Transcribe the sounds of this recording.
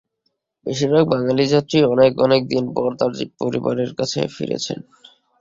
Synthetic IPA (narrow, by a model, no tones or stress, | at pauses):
beʃiɾbek̚baŋalid͡ʑat̪ːɾiɔnekɔnek̚d̪inpɔɾt̪aɾd͡ʑik̚poɾḭba̰ɾeɾkat͡ɕʰḛfḭɾḛt͡ɕʰḛn